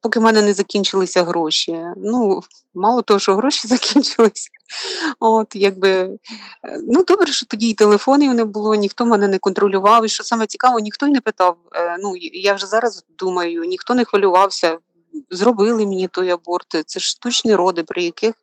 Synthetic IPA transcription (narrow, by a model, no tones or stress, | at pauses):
pɔkɪmɛnɛnɛzɐkʲinʲt͡ʃɪlˠɪsʲɐɦɾɔʃʲinu | mɑlˠɔt̪ɔɦɔʃɔɦɾɔʃʲizɐkʲʰinʲt͡ʃɪlˠɪsʲɐ | ot̪jaɡ̚bɪ | nud̪ɔbɾɛʃɔt̪ɔdʲiːt̪elˠefɔnɪjʊnɛbʊlˠɔnʲixt̪ɔmɛnɛnɛkɔnt̪ɾɔlʲʊʋɑwiʃt͡ʃɔsɑmɛt͡sʲi̥kɑʋɔnʲixt̪ɔjnɛpɪt̪ɑwnujawʒɛzɑɾɐzd̪umɐjʊnʲixt̪ɔnɛxʋɐlʲʊʋɑwsʲɐ | zrɔbɪlˠɪmnʲit̪ɔjɐbɔrt̪t̪sɛʂst̪ut͡ʃnʲiɾɔd̪ɪpɾɪjɐkɪx